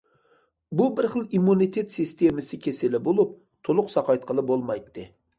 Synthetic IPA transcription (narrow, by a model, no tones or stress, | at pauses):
bubɪɾχəlˠimːunit̪ʰet̪sist̪emɪsɪkʲʰesɪlɪbolˠup̚ | t̪ʰolˠʊqsɑqɑjt̪̚qʰəlˠɨbolˠmɑjt̪ːɨ